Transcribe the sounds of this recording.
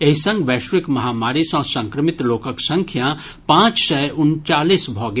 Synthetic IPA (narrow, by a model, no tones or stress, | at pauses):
eɦisɐ̃ŋɡʋɛːʃɾɪkmɐɦaːmaːɾisɔ̃ːsɐ̃ŋkɾəmɪt̪loːkəksɐ̃ŋkʰjã | pãːt͡ʃsɛʔʊnt͡ʃaːliːsbʱɔːɡ